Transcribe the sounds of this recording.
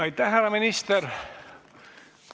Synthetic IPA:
ɑjt̪ːæhːærːɑminist̪eɾ

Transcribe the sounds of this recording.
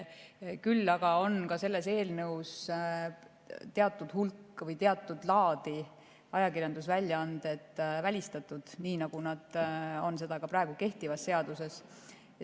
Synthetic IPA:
kylːɑɡ̥ɑo̞nkɑse̞lːe̞se̞ːlnɤws | t̪e̞ɑt̪ːˑud̪̥hulkˑːvɤjt̪eɑt̪ːˑud̪̥lɑːd̪̥i | ɑjɑkirjɑnd̪̥us̬vælʲjɑɑnd̪̥e̞t̪ːˑvælʲist̪ɑt̪ːˑud̪̥niːnɑɡ̥unɑd̪̥o̞nse̞d̪̥ɑkɑpɾɑeɡ̥uke̞ht̪ivɑsːe̞ɑd̪use̞s

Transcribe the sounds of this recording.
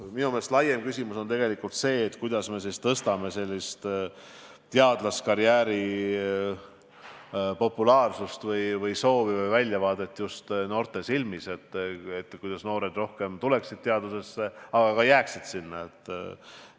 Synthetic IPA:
minumeslɑjemkysʲimuso̞nt̪e̞ɡe̞likult̪se̞ːt̪ːkujd̪̥ɑsme̞s̬ist̪ɤst̪ɑme̞se̞lʲːist̪ | t̪eɑd̪lɑskɑɾjæːɾi | po̞pːulɑːrsust̪vɤjvɤjso̞ːvivɤjvælʲjɑvɑːd̪et̪ːˑjust̪no̞ːrt̪e̞silmise̞t̪ːet̪ːˑkujd̪ɑsno̞ːɾe̞d̪ro̞hke̞mt̪ule̞ksid̪̥̚t̪eɑd̪use̞sːeɑɡ̥ɑɡɑjæːksid̪̥sinːɑet̪ːˑ

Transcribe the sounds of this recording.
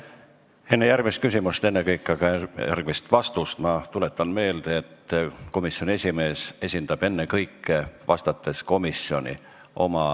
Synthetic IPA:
e̞nːejærɡ̥mist̪kysʲimust̪e̞nːekɤjkːˑɑɡɑæ̰rɡ̥mist̪vɑst̪ust̪mɑt̪ule̞t̪ːˑɑnme̞ːld̪̥eet̪ːko̞misjonʲie̞sʲime̞ːse̞sʲind̪̥ɑb̥e̞nːekɤjkːˑevɑst̪ɑt̪ːˑe̞sko̞misio̞̰nʲḭ | ʔo̞mɑ

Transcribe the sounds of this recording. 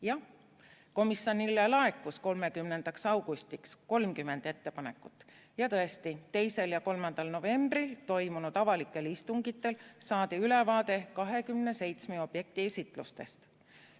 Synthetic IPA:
jɑ | ko̞misjo̞nilːelɑe̞kːˑusko̞lme̞kymnend̪̥ɑksɑwɡ̥ust̪iksko̞lmkymːe̞nd̪̥e̞t̪ːe̞pɑne̞kːˑut̪ːˑ | jɑt̪ɤe̞st̪it̪e̞jse̞ljɑko̞lmɑnd̪̥ɑlno̞ve̞mb̥rilt̪o̞jmunut̪ɑvɑlikːˑe̞list̪uŋɡ̥it̪ːˑe̞lsɑːd̪̥eylevɑːd̪e̞kɑɦe̞kymne̞se̞jt̪smeo̞b̥je̞k̚t̪iesit̪ˑlṵst̪e̞̰st̪

